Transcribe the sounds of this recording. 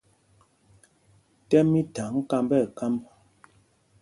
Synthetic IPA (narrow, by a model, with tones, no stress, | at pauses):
tɛ˦mi˦ta˨ŋ̩˦ka˦mbɛ˦˨ka˦mb